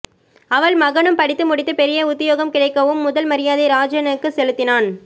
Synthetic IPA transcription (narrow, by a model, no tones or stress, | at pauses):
ɐʋɐɭmɐɣɐɳɯmpɐɽɪt̪ːɯmʊɽɪt̪ːɯpɛɾɪjɐʊt̪ːɪjoːɣɐmkɪɽɐɪkːɐʋɯmːʊðɐlmɐɾɪjaːðeɪɾaːd͡ʒɐnɐkːɯsɛlɯt̪ːɪnaːn